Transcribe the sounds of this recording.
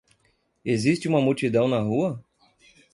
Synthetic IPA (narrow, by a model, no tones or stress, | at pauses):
ezist͡ʃɪũmɐmut͡ʃid̪ɐ̃w̃nɐɦuɐ